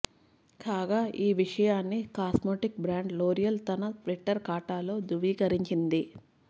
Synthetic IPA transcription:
kaːɡaːʔiːʋiʂɐjaːnːikaːsmoːʈik̚bɾaːɳɖloːɾijɐlt̪ɐnɐpɾiʈːɐɾkaːʈaːlo̞ːd̪uʋiːkɐɾiɲt͡ʃind̪i

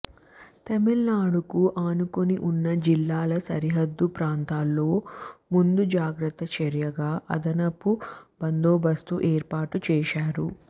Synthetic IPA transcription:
t̪ɐmilnaːɽukuʔaːnukoniʔunːɐd͡ʒilːaːlɐsɐɾiɦɐd̪ːupɾaːnt̪aːlːo̞ːmund̪ud͡ʒaːɡɾɐt̪ːɐt͡ʃɐɾjɐɡaːʔɐ̰d̪ɐnɐpːubɐnd̪oːbɐst̪uʔeːɾpaːʈut͡ʃɛːʃaːɾu

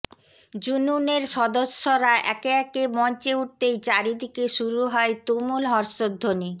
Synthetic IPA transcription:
d͡ʑununeɾʃɔd̪oʃːoɾaʔɛkeɛkemɔnt͡ɕeuʈ̚t̪ejt͡ɕaɾid̪ʱikeʃuɾuɦɔet̪omulɦɔɾʃod̪ʱːoni

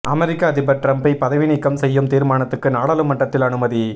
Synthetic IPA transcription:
ʔɐmɛɾɪkːaːðɪpɐɾʈɾɐmpɐɪpɐðɐʋɪnɪkːɐmsɛjːɯmt̪iːɾmaːnɐt̪ːɯkːɯnaːɽaːlɯmɐʈːɐt̪ːɪlɐnɯmɐði

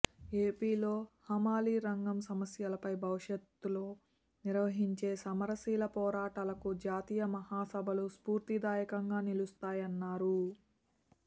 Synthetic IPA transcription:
eːpiːlo̞ːhɐmaːliːɾɐŋɡɐmsɐmɐsjɐlɐpɐjbʱɐʋuʂjɐt̪ːuloː | niɾʋɐɦiɲt͡ʃe̞ːsɐmɐɾɐsiːlɐpɔːɾaːʈalɐkud͡ʒaːt̪iːjɐmɐhaːsɐbʱɐluspuːɾt̪id̪aːjɐkɐŋɡaːnilust̪aːjɐnːaːɾu

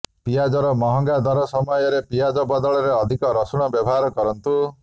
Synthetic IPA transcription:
pijad͡ʒɔɾɔmɔɦɔŋɡad̪ɔɾɔsɔmɔjɔɾepijad͡ʒɔbɔd̪ɔɭɔɾeɔd̪ʱikɔɾɔsuɽ̃ɔbjɔbʱɔɦaɾɔkɔɾɔnt̪u

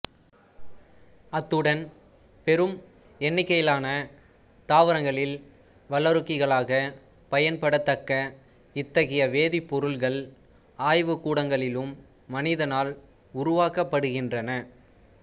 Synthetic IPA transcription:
ɐt̪ːɯɽɐn | pɛɾɯm | ɛnːɪkːɐjɪlaːnɐ | t̪aːʋɐɾɐŋɡɐɭɪl | ʋɐlɐɾɯkːɪɣɐɭaːɣɐ | pɐjɐnpɐɽɐt̪ːɐkːɐ | ɪt̪ːɐɣɐjɐʋeːðɪpːɔɾɯlɣɐɭ | aːjʋɯkuːɽɐŋɡɐɭɪlɯmː | ɐnɪðɐnaːl | ʊɾʊʋaːkɐpːɐɽɯɣɪndrɐnɐ

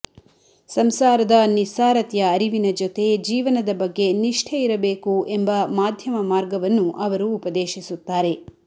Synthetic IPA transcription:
sɐmsaːɾɐd̪ɐnisaːɾɐt̪jɐːɾiʋinɐd͡ʒot̪e̞d͡ʒiːʋɐnɐd̪ɐbɐɡːe̞niʂʈʰɐiɾɐbeːkuʔe̞mbɐmaːd̪ʱjɐmɐmaːɾɡɐʋɐnːuʔɐʋɐɾuːpɐd̪eːʃisut̪ːaːɾe̞

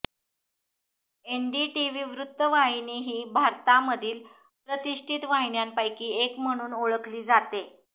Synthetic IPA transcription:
eɳɖiːʈiʋiːʋɾut̪ːəʋaɦiniːɦiːbʱaɾt̪aməd̪ʱiːl | pɾət̪iʂʈʰit̪ʋaɦiɳjampajkiːekm̤əɽ̃uːnoɭəkʰliːd͡zat̪e

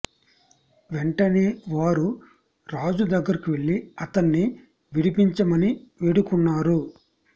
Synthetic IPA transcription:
ʋeɳʈɐniːʋaːɾu | ɾaːd͡ʒud̪ɐɡːɐɾikiʋe̞ɭːiɐt̪ɐnːi | ʋiɽipiɲt͡ʃɐmɐniʋeɽukunːaːɾu

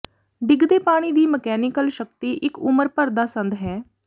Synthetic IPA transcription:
ɖɪɡd̪eːpaːɽ̃iːd̪iːməkɛːnɪkəlʃəkt̪iːʔɪkʊməɾpəɾd̪aːsə̃nd̪ɦɛː

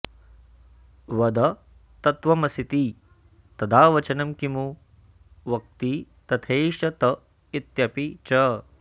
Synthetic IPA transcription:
ʋɐd̪ɐ | t̪ɐt̪ʋɐmɐsit̪i | t̪ɐd̪aːʋɐt͡ʃɐnɐmkimu | ʋɐk̚t̪i | t̪ɐt̪ʰeːʃɐt̪ɐ | it̪jɐpit͡ʃɐ

